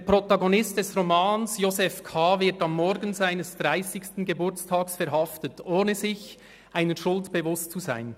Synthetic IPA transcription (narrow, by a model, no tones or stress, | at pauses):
depʁotɑɡonɪst̚d̥ɛsʁomɑːnsjozɛfkʰaːvɪɐtɑmːɔɾɡən̩zaɪnəsd̥ʁaɪsɪçstn̩ɡebʊt͡stʰɑːksfɛɾɦɑftətʔoːnəzɪç | ʔaɪnəʃʊltb̥evʊstt͡suza̰ɪn